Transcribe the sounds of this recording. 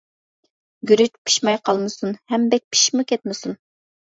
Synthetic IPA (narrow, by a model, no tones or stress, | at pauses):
ɡʲyɾyt̪pʰi̥ʃmɑjqʰɑlˠmɨsunhɛmbɛk̚ʲpʰi̥ʃmukʲʰɛt̪̚mɪsun